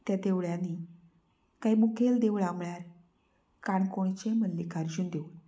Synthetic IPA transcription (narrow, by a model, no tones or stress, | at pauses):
t̪jad̪eʋɭjanːi | kaɦimukʰeld̪eʋɭamɭaɾ | kaɳkoɽ̃it͡ɕẽmənlekaɾd͡ʑuːnd̪eul